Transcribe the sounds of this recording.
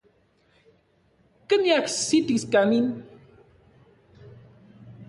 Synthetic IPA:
kənjaksit̪iskanin

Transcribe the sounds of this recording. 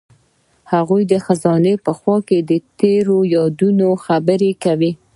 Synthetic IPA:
haɣujd̪əxazɑnepəxwɑked̪ət̪eɾojɑd̪unoxabəɾekawi

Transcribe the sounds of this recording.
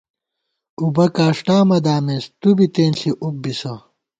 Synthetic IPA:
ubɐkaːʂʈaːmɐd̪aːmeːst̪ubit̪eːnɬiʔuk̚bisɐ

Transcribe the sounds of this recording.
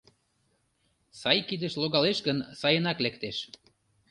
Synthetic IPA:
sɑjkid̪əʃloɣɑleʃɡənsɑjənɑklekt̪eʃ

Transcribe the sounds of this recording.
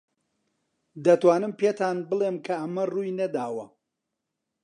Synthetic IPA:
d̪ɐt̪waːnɨmpeːt̪ʰaːnbɨlˠeːmkʰɐʔɐmɐruːjnɐd̪aːwɐ

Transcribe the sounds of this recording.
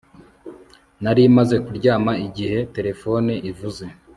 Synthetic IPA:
naɾimaze̞kuɾɟaːmaiɟihe̞te̞ɾe̞fo̞neʔivuze̞

